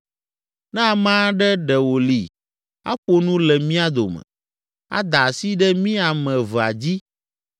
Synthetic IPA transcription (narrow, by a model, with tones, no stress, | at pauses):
nã˦˨mã˦ɖɛ˦ɖɛ˨wo˨li˨ | a̰˦ɸo˦nũ˦lɛ˨mĩ˦a˦d̪o̰˨mɛ̰̃˨ | a̰˦d̪a˨si˦ɖɛ˦mĩ˦a˨mɛ̃˨və˨a̰˨d͡ʑi˦